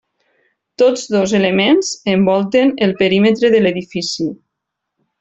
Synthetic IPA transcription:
t̪od͡zðozelemenzəmbɔlˠt̪enəlˠpəɾimet̪ɾeðəleðifisi

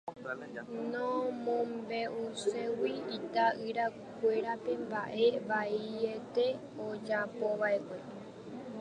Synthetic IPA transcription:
nõmõmbe̞ʔusewiit̪aɨɾa | kʷe̞ɾape̞mbaʔe̞βaiet̪e̞ | od͡ʒapoʋae̞kʷe̞

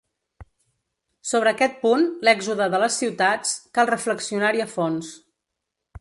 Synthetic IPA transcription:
soβ̞ɾəːkɛt̪̚punlɛɡzuðəðələsːiwt̪at͡skalˠrəfləksiunaɾiəfons

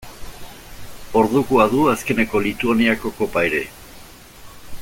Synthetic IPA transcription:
o̞ɾðukuaðuaske̞ne̞ko̞lit̪uaniako̞ko̞paeɾe̞

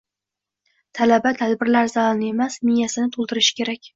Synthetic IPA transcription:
t̪ʰalabat̪ʰad̪bɪɾlaɾzaɒnɪe̞masmɪjasɪnɪt̪ʰolˠd̪ɪɾɪʃɪ̥kʲʰe̞ɾakʲ

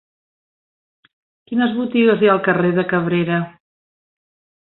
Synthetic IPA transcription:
kinəzβut̪iɣəzjalˠkəreðəkəβ̞ɾeɾə

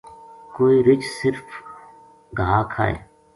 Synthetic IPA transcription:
koːiɾɪt͡ʃsɪɾf | ɡʱaːkʰa̰ːḛ

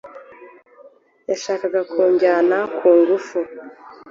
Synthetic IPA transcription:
jaʃaːkaɡakʰuːɲɟaːnakʰuːŋɡufu

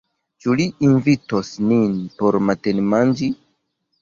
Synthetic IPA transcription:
t͡ʃuliinvitosninpoɾmatenmand͡ʒi

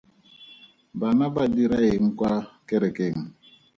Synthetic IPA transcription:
banabadiɾaeŋ̩kwakɛɾɛkeŋ̩

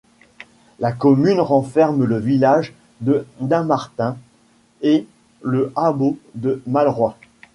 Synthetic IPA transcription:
lakɔmynʁɑ̃fɛʁmləvilaʒ | d̪əd̪ɛ̃maʁt̪ɛ̃ | e | ləʔabod̪əmalʁwa

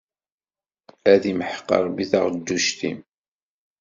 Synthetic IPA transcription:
æðimħə̥qːɑ̰ɾˤbiθə̰ʁd̪ːuʃt̪ḭm

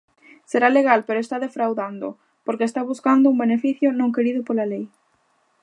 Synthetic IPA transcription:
seɾaleɣ̞alpeɾoest̪aðefɾawðand̪o̰ | poɾkest̪aβuskand̪ʊumbenefiθjʊnõŋkeɾiðʊpolalej

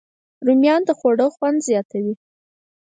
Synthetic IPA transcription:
ɾumjɑnd̪əxoɽəxwand̪zjɑt̪awi

